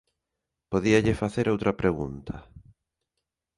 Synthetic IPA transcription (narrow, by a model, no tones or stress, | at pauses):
poðiaʎefaθeɾowt̪ɾɐpɾeɣunt̪ʰɐ